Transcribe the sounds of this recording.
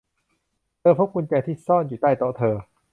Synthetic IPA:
t̪ʰɤː˧pʰo˦˥p̚ku˧nt͡ɕa˧jt̪ʰiː˥˩sɔː˥˩njuː˨˩t̪a˥˩jt̪o˦˥t̪ʰɤː˧

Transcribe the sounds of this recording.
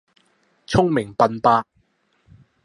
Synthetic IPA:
t͡sʰʊ˥ŋmɪ˨˩ŋpɐ˧npaː˥

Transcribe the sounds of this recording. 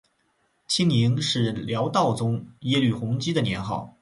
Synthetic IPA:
t͡ɕʰi˥ŋi˧˥ŋʂɻ̩˥˩ljɑ˧˥ʊt̪ɑ˥˩ʊt͡sʊ˥ŋjɛ˥ly˥˩xʊ˧˥ŋt͡ɕi˥d̪ə˨njɛ˧˥nxɑ˥˩ʊ

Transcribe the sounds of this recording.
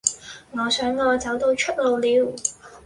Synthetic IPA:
ŋɔː˨˧sœː˨˥ŋːɔː˧t͡sɐ˨˥wt̪o˧wt͡ʃʰɵ˥t̚lo˨˧wliː˨˧w

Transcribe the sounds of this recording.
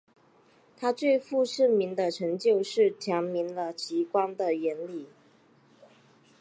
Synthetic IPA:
t̪ʰa˥t͡swe˥˧ɪfu˥˧ʂɻ̩˥˩mi˨˥nd̪ə˧ʈ͡ʂʰɤ˧˥ŋt͡ɕjo˥˧ʊʂɻ̩˥˩t͡ɕʰjɑ˧˥ŋmi˧˥nlə˧t͡ɕʰi˧˥kwa˥nd̪ə˨jɛ˧˥nli˥˩˨

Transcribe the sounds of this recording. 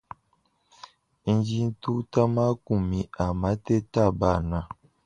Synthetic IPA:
n̩˦d͡ʒi˦n̩˦tu˦ta˦ma˦ku˨mĩ˨a˨ma˦te˦ta˦˨ba˦˨na˨

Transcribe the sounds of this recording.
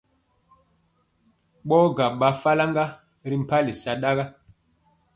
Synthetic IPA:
ɓɔ˦ɡa˨ɓa˨˦fa˦la˦ŋɡa˦ | ɾi˦m̩˨pa˦li˨sa˨ɗa˦ɣa˦

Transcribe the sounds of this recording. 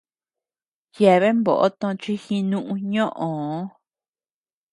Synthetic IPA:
je˨βe˦mbo̰˨ʔo̰˦t̪õ˧t͡ʃi˦xĩ˧nũ˦ʔũ˧ɲõ˦ʔõ˨˦

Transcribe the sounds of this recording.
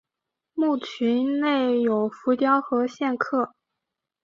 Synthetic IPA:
mu˥˩t͡ɕʰy˧˥nne˥˩ɪjo˨˩ʊfu˧˥t̪jɑ˥ʊxɤ˧˥ɕjɛ˥˧nkʰɤ˥˩

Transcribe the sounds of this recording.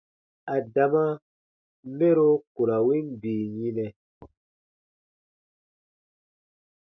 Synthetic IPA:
a˨da˨ma˦ | me˦ɾo˦ku˨ɾa˨wi˦nbiː˨ɲi˦nɛ˨

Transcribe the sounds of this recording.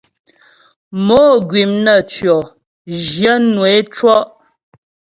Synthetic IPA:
moː˨˦ɡɥi˨mnə˨t͡ʃjɔ˨ | ʒjə˦nwe˨˦t͡ʃwɔ˦ʔ

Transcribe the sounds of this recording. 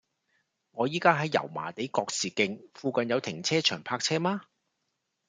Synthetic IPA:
ŋɔː˨˧jiː˥kaː˥ɦɐ˨˥jːɐ̰˨˩wma̰ː˨˩t̪e˨˥jkɔː˧k̚siː˨˩kɪ˧ŋfuː˧kɐ˨njɐ˨˧wt̪ʰɪ˨˩ŋt͡sʰɛː˥t͡ʃʰœː˨˩ŋpʰaː˧k̚t͡sʰɛː˥maː˥

